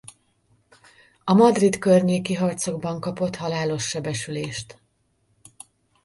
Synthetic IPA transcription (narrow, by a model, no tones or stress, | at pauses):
ɒmɒd̪rit̪kørɲeːkiɦɒrt̪so̞ɡbɒŋkɒpo̞t̪hɒlaːlo̞ʃːɛbɛʃyleːʃt̪